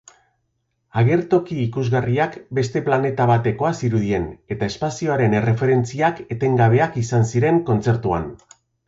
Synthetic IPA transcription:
aɣe̞ɾt̪o̞kiːkuzɣariakbe̞st̪e̞plane̞t̪aβ̞at̪e̞ko̞asiɾuð̞ie̞ne̞t̪ae̞spasio̞aɾe̞ne̞re̞fe̞ɾe̞nt͡siake̞t̪e̞ŋɡaβ̞e̞akisansiɾe̞ŋko̞nt͡se̞ɾt̪ua̰n

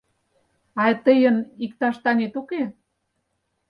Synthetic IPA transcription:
ɑt̪əjə̆nikt̪ɑʃt̪ɑnet̪uke

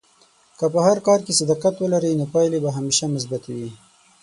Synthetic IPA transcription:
kəpəhaɾkɑːɾkesad̪ɑːqat̪wəlaɾinopɑjlebaɦameʃamʊs̬bat̪wi

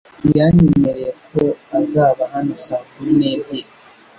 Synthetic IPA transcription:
jaɲemeɾeekʰo̞azaːβahanosaːkumineːbiɾi

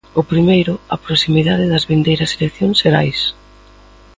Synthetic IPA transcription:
ʊpɾimejɾʊɐpɾosimiðaðɪðɐzβind̪ejɾɐselekθjoŋseɾajs

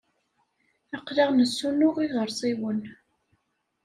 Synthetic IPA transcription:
əqːliʁnəsːunʊʁiʁəɾˤsˤiwən

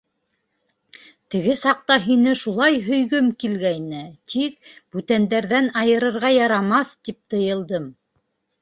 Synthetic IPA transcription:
t̪ɘ̆ɡɘsɑq̚t̪ɑɦinɘʃulˠɑjɦɵ̆jɡɵmkilɡæjnɘt̪ʰik̚b̥ʉt̪ænd̪æɾðænɑjɤ̆ɾɤ̆ɾʁɑjɑɾɑmɑθt̪ip̚t̪ɤ̆jɤ̆lˠd̪ɤm

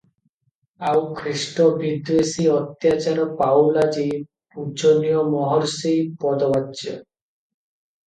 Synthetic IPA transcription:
awkʰɾisʈɔbʱid̪esiɔt̪jat͡ʃaɾɔpawlad͡ʒi | pud͡ʒonijɔmɔɦɔɾsejpɔd̪ɔbad͡ʒɔ̰

